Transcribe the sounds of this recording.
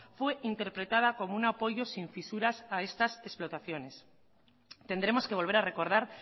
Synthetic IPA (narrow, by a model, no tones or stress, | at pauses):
fwe̞ʔint̪e̞ɾpɾe̞t̪að̞ako̞mounapo̞ʝo̞siɱfisuɾasae̞st̪ase̞splo̞t̪aθjo̞ne̞s | t̪e̞nd̪ɾe̞mo̞skeβo̞lβeɾare̞ko̞ɾð̞aɾ